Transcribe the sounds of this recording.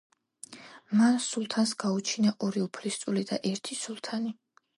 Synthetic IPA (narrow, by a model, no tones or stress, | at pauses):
mansulˠt̪ʰansɡaut͡ʃʰinaʔɔɾiupʰlist̪sʼulid̪aʔɛɾt̪ʰisulˠt̪ʰani